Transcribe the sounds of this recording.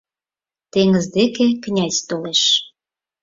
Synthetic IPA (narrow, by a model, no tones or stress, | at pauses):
t̪eŋəzd̪ekeknʲæzʲt̪oleʃ